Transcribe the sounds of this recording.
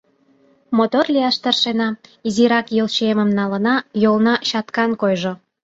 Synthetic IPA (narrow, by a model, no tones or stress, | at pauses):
mot̪orlʲiɑʃt̪ərʃenɑiziɾɑkjəlt͡ɕeməmnɑlənɑjolnɑɕɑt̪kɑnkojʒo